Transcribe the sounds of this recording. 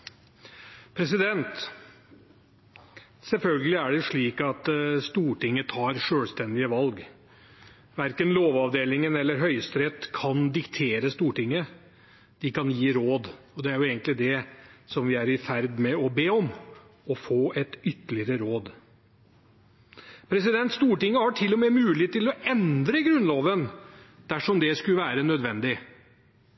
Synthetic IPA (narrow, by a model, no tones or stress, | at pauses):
pʰɾɛs̬ɪd̪ɛnt̪ | sɛlfœlɡəlɪæɖɛʂɭiːkɑt̪st̪uːʈɪŋːət̪ʰɑːɾʂøːlst̪ɛnd̪ɪəʋɑlɡ | ʋæɾkənloːʋɑʋd̪eːlɪŋənɛlːəɾɦœʏəst̪ɾɛt̪kʰɑnd̪ɪkt̪ʰeːɾəst̪uːʈɪŋːə | d̪̥ɪkɑnjiːɾoːd̪ | ɔd̪ɛæɾjʊeːɡənt̪lɪd̪ɛsɔmʋɪæɾɪfæɾd̪mɛɔbeːɔm | ɔfoːʔɛt̪ʏt̪ːəɭɪəɾəɾoːd̪ | pʰɾɛs̬ɪd̪ɛnt̪st̪uːʈɪŋːəhɑʈʰɪlːɔmɛmʉːlɪɪt̪ːɪlɔɛnd̪ɾəɡɾʉnloːʋən | d̪̥æʂɔmd̪ɛskʉləʋæːɾənœd̪ʋɛnd̪ɪ